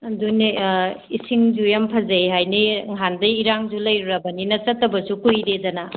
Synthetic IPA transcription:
duneisiŋd͡ʒujampʰɐzejɦajniŋɦandɐiɾaŋzulɐjɾuɾɐbɐninɐt͡ʃɐtːɐbɐsukujɾedɐna

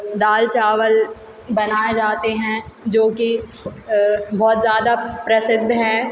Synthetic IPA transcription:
d̪aːlt͡ʃaːʋəl | bɐnaːed͡ʒaːt̪eɦɛ̃d͡ʒoːki | bʱɔːt̪zjaːd̪apɾɐsɪd̪ʱːɦɛː

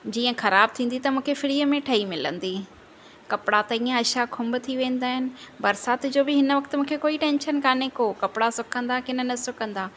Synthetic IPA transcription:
d͡ʑiːə̃xɐɾaːb̚t̪ʰĩːn̆d̪it̪ɐmũːkʰefɪɾiːəmẽʈʰɐimɪlə̰̃nd̪iː | kɐpɪɽat̪ɐĩːãɐʃakʰʊ̃mbʊt̪ʰiʋẽːn̆d̪aːɦɪnɪ̆bɐɾsaːt̪ʰɪd͡ʑoːbɪɦɪnəʋɐkt̪mũːkʰekoːiʈẽːnʃənkaːnekoːkɐpɪɽasʊkʰə̃nd̪akɪnə̆nɐsʊkə̃nd̪aː

